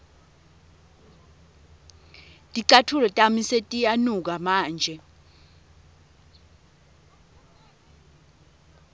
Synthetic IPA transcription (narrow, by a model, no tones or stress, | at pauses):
tʼiǀatʰulɔtʼamisetʼijanuk̬amaːnd͡ʒʱɛ